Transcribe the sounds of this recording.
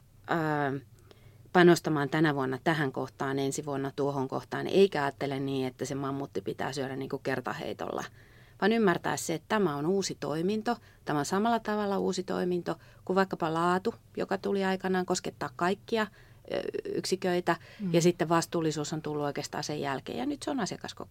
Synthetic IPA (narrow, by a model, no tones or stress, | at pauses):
əː | pɑnost̪ɑmɑːnt̪ænæʋuonːɑt̪æhæŋko̰ht̪ɑːnensiʋuonːɑt̪uohoŋko̰ht̪ɑːneikæɑːt̪ːelenniːet̪ːæsemɑmːut̪ːipit̪æ̰ːsyøɾænniːŋkukert̪ɑ̰hḛit̪o̰lːɑ̰ | ʋɑnymːært̪æ̰ːsseet̪t̪æmæonuːsit̪o̰imint̪o | t̪æmæonsɑmɑlːɑt̪ɑʋɑlːɑuːsit̪o̰imint̪o | kuʋɑikːɑpɑlɑːt̪u | jo̰kɑt̪uliɑikɑnɑːŋkosket̪ːɑːkkɑikːiɑ | y̰ksikøit̪æjɑsit̪ːeʋʋɑst̪uːlːisuːsont̪ulːuoikeːst̪ɑ̰ːsejjælkḛːjɑ̰nyt̪seonɑsjɑkɑsko̰